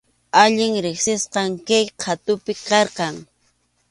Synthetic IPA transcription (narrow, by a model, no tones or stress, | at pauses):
aʎɪŋɾɪχsɪsqɑŋkajqʰat̪ʊpɪkɑɾqɑŋ